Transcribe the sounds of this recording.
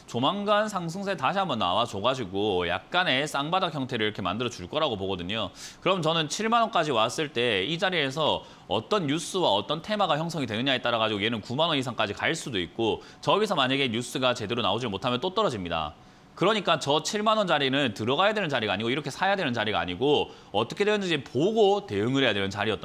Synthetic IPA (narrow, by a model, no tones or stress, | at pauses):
t͡ɕomaŋɡansʰaŋs̬ʰɯŋs̬ʰetaɕʰiɦambʌnːa̰wat͡ɕoɡad͡ʑiɡoja̰k̚k͈ane̞s͈aŋbadakʰjʌŋtʰe̞ɾɯɭiɾʌkʰe̞ma̰ndɯɾʌd͡ʑuɭk͈ʌɾaɡopoɡʌdɯɲokɯɾʌmʌnt͡ɕʌnɯnt͡ɕʰiɭmanwʌnk͈ad͡ʑiwas͈ɯɭt͈e̞id͡ʑaɾie̞sʰʌ | ʌt͈ʌnjus͈ɯwaʌt͈ʌntʰemaɡaçjʌŋs̬ʰʌŋidwenɯɲaet͈aɾaɡad͡ʑiɡoienɯnkumanwʌnisʰaŋk͈ad͡ʑikaɭs͈udoik̚k͈o | t͡ɕʌɡisʰʌmaɲaɡe̞ɲjus͈ɯɡat͡ɕe̞de̞ɾona̰od͡ʑimotʰamjʌnt͈ot͈ʌɾʌd͡ʑimɲida̰ | kɯɾʌɲik͈at͡ɕʌt͡ɕʰiɭmanwʌnd͡ʑaɾinɯntɯɾʌɡajadwe̞nɯnt͡ɕaɾiɡaɲiɡoiɾʌkʰesʰajadwe̞nɯnt͡ɕaɾiɡaa̰ɲiɡo | ʌt͈ʌkʰedweɯnd͡ʑʌd͡ʑepoɡote̞ɯŋɯɾɦe̞jadwenɯnt͡ɕaɾiʌt͈